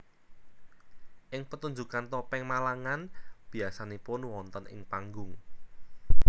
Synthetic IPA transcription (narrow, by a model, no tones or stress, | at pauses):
ʔɪŋpət̪uɲd͡ʒukant̪ɔpɛŋmalaŋanb̥i̤asanepʊnwɔnt̪ənɪ̰ŋpaŋɡʊŋ